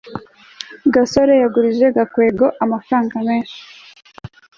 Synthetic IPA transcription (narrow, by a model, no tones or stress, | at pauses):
ɡasoɾejaɡuɾiʒe̞ɡakwe̞ːɡo̞ʔamafɾaːŋɡame̞ːnʃi̥